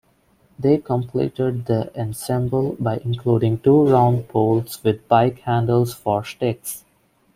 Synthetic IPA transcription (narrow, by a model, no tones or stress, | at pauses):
d̪eːkə̃mpʰlḭːʈəɖ̚d̪əʔɛ̃nsɛ̃mbəlbaɪʔɪ̃nkʰluːɖɪ̃ŋʈuːɾãʊ̃nɖ̚pʰoːlsʋɪd̪̚paɪkhæ̃ɳɖəlsfɔɾsʈeks